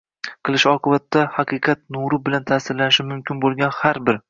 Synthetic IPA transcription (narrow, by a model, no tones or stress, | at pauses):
qʰɨlˠɪʃɒqʰɨbat̪ːahaqʰɨjqʰɑt̪nuɾʊbɪlant̪ʰasɪɾlanɪʃɪmʊmkʲʰɪnbolˠɡʲanhaɾbɪɾ